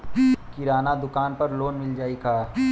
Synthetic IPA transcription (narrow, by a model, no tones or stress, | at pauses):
kɪɾaːnad̪ʊkaːnpɐɾloːnmɪld͡ʒaːikʰaː